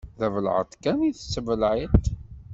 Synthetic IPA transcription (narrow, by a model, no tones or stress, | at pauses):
ðævəl̰ʕə̰t̪ˤkæniθəsːəvəlʕit̪